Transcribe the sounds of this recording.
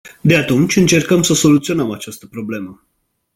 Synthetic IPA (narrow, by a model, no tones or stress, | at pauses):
d̪e̞at̪unt͡ʃʲɨnt͡ʃe̞rkəmsəso̞lut̪sio̞nəmat͡ʃast̪əpɾo̞ble̞mə